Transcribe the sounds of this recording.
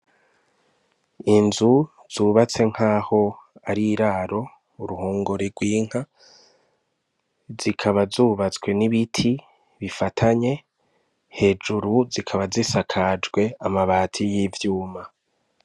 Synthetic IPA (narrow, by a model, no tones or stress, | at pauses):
inzu | z̥uːβat͡se̞ŋ̥haːho̞aɾiɾaːɾo̞ | uɾuhoːŋɡoɾeɾɡwiːŋ̥ha | zikʰaβazuːβat͡swe̞niβitʰi | βifatʰaɲe̞ | he̞ːd͡ʒuɾuzikʰaβazisakʰad͡ʒɡwe̞amaβaːtʰijivjuːma